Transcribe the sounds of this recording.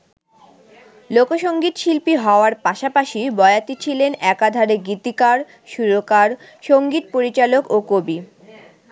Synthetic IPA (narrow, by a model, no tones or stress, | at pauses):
lokoʃoŋɡit̪ʃilpiɦɔoaɾpaʃapaʃibɔeat̪it͡ɕʰilenɛkad̪ʱaɾeɡit̪ikaɾ | ʃuɾokaɾ | ʃoŋɡit̪̚poɾit͡ɕalokokobi